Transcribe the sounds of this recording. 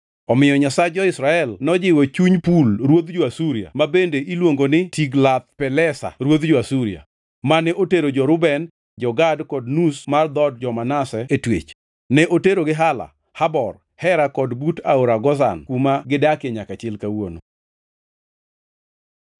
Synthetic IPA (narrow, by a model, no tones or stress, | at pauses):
ɔmɪjɔɲasad͡ʒɔɪsɾaɛlnɔd͡ʒɪwɔt͡ʃuɲpulɾwod̪d͡ʒoasuɾja̰mabendeʔilwoŋɡonɪtiɡlat̪̚pɛlɛsa̰ɾwod̪d͡ʒoasuɾia̰ | manɛʔoteɾod͡ʒɔɾʊbɛn | d͡ʒɔɡadkɔdnusmard̪ɔd̚d͡ʒɔmanasɛetwḛt͡ʃ | nɛʔoteɾoɡɪɦala̰ | habɔr | hɛɾakɔdbutaoɾaɡɔza̰nkumaɡɪdakeɲakat͡ʃɛlkawono̰